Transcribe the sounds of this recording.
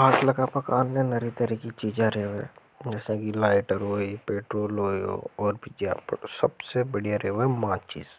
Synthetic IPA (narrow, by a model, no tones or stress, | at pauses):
aːt̪lɐɡapɐkaːnːenɐɾit̪əɾikit͡ʃiːd͡ʒaɾeːoḛ̃ | d͡ʒɛːsakilaːɪʈəɾɦoːipeːʈɾoːlɦoːio̰ɔːɾbʱid͡ʒa̰psɐbsebəɽijaɾeːoɛmãːt͡ʃḭːz